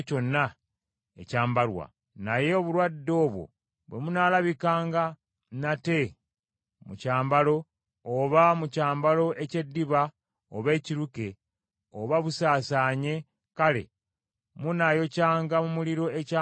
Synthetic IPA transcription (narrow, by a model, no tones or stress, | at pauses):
co̞nːa | ḛcaːmbaɾwa̰ | naje̞oβuɾwadːo̞ːβwo̞̰ | βwe̞munaːlaβikaːŋɡa | nate̞ | mucaːmbalo̞ː | βamucaːmbalo̞ʔe̞ce̞dːiβa | oβe̞ːciɾuke̞ | oβaβusaːsaːɲe̞ | kale̞̰ | munajo̞caːŋɡamumuliɾo̞eca